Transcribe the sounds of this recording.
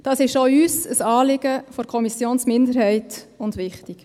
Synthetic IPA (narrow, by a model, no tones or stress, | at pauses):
d̥ɑːsɪʃoyːsəsɑːlɪɡ̥əfɔɾkʰɔmisjoːnsmɪndəɾhɛɪt | ʊndʋɪχtɪk